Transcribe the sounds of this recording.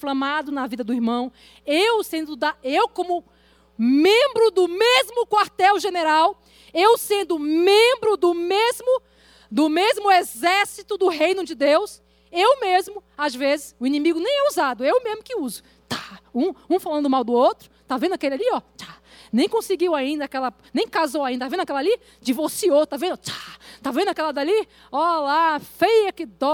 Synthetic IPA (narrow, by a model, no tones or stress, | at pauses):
flɐ̃mad̪ʊnɐvid̪ɐd̪ʊiɾmɐ̃w̃ | ewsẽnd̪ʊd̪aewkõmʊ | mẽbɾʊd̪ʊmezmʊkwaɾt̪ɛwʒeneɾaw | ewsẽnd̪ʊmẽbɾʊd̪ʊmezmʊ | d̪ʊmezmʊezɛɾsit̪ʊd̪ʊɦejnʊd͡ʒɪd̪ews | ewmezmʊazvezɪsʊinĩmiɡʊnẽj̃ɛuzad̪ʊewmezmʊkɪuzʊ̥ | t̪ḁũũfalɐ̃nd̪ʊmawd̪ʊowt̪ɾʊt̪avẽnd̪akelɪaliɔt͡ʃ̪ḁnẽj̃kõsɪɡiwaĩnd̪ɐakɛlɐ | nẽj̃kazowaĩɐavẽd̪akɛlɐali | d͡ʒivoɾsiot̪avẽnd̪ʊt͡ʃ̪ḁt̪avẽnd̪ʊakɛlɐd̪ali | ɔlafejɐkɪd̪ɔ